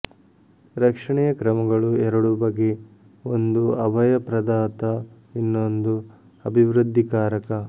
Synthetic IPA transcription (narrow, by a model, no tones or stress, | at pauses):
ɾɐkʂɐɳɛjɐkɾɐmɐɡɐɭuɛɾɐɽubɐɡe | ond̪uɐbʱɐjɐpɾɐd̪aːt̪ɐ | inːond̪u | ɐbʱiʋɾud̪ʱːikaːɾɐkɐ